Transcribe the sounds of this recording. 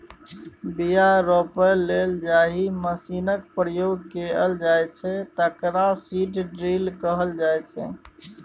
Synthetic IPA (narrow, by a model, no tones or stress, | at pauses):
bijaɾɔpəɾleld͡ʒaɦiməsinək̚pɾəjoɡ̚keəld͡ʒajt͡ʃʰɛt̪əkɾasiʈɖɾilkəɦəld͡ʒajt͡ʃʰɛ̰